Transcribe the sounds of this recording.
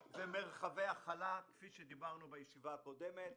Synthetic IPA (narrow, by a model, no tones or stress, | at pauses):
zemeʁχaveaχalakfiʃed̪ibaʁnubajeʃivaːko̞d̪emet̪